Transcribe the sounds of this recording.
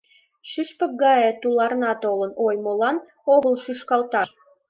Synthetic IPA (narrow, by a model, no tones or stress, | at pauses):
ʃyʃpə̆k̚ɡɑjɤ̆t̪ulˠɑrnɑt̪olɤ̆nojmolˠɑn | oɣə̆lˠʃyʃkɑlt̪ɑʃ